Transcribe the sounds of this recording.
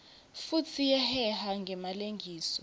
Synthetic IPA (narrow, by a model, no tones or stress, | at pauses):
futʰijɛhɛɦaŋɡʱɛmaleŋɡʱiːsɔ